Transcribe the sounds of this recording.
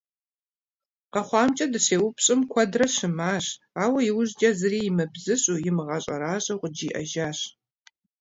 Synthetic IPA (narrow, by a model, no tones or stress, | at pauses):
qɐχʷɑːmt͡ʃʼɐdɨɕeːwʊpʰɕʼɨmkʷʰɐdrɐɕɨmaːɕ | aːwɐjɪwʊʑd͡ʒɐzɨriːjɪmɨbzɨɕʼuːjɪmɨʁɐɕʼɐ̰ɾaːɕʼɐqʷʊd͡ʒiːʔɐ̰ʒaːɕ